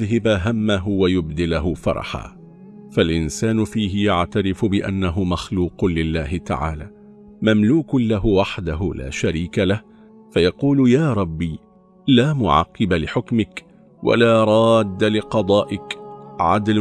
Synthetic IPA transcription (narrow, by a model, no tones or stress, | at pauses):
ɦɪbaɦamːaɦʊwajʊbd̪ɪlaɦʊfɑ̰ɾˤɑ̰ħa̰ː | falʔɪnsaːnʊfiːɦɪjaʕt̪aɾɪfʊbɪʔa̰nːaɦʊmaxluːqʊlɪlːaːɦɪt̪a̰ʕa̰ːlaː | mamluːkʊlaɦʊwaħd̪aɦʊla̰ːʃaɾiːkalah | fajɑquːlʊjaːɾˤɑbːiː | laːmʊʕɑ̰qːɨbalɪħʊkmɪk | wa̰laːɾˤɑːd̪ːalɪqɑd̪ˤɑːʔɪkʕa̰d̪l